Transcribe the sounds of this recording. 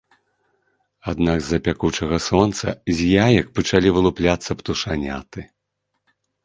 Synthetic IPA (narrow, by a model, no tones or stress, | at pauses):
ad̪naɡzːɐpʲakut͡ʂɐɣɐsɔnt̪sɐ̰zʲjajɐk̚pɐt͡ʂalʲivɨlˠuplʲat̪sːɐpt̪uʂanʲa̰t̪ɨ